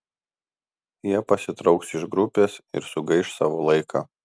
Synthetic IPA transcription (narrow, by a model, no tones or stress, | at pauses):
jiɛpɐsʲɪt̪ɾɒʊksɪʒɡɾʊpʲeːsɪ̰ɾsʊɡɐɪʃsɑːʋoːlˠɐɪkʰɑː